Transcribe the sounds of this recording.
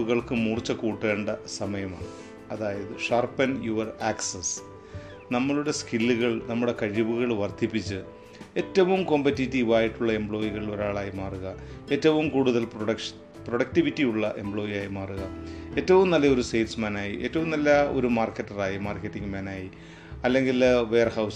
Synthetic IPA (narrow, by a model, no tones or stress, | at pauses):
ɣɐɭkɨmuːrt͡ɕːɐkuːʈːe̞ːɳɖɐsɐmɐjɐma̰ːɳɨ | ɐðaːjɐðɨʂaːrpɐnjuʋɐraːksɐs | nɐmːɐɭuɽeskilːuɣɐɭnɐmːuɽe̞kɐɻiʋuɣɐɭʋɐrd̪ʱipːit͡ɕːɨ | e̞tːɐʋumko̞mpɐtːitːiːʋaːjiʈːuɭːɐe̞mbɭo̞ːjiɣɐɭilo̞ɾaːɭaːjimaːruɣɐe̞ːtːɐʋumkuːɽuðɐlprɐʂ | proɽɐk̚tiʋitːijuɭːɐʔe̞mbɭo̞ːjijaːjimaːruɣɐe̞ːtːɐʋumnɐlːɐo̞ɾusejtsmɐnaːjiʔe̞ːtːɐʋumnɐlːɐo̞̰ɾumaːrkːetːɐraːjimaːrkːetːiŋɡmanaːji | ɐlːe̞ŋɡilʋe̞jɐrhɐws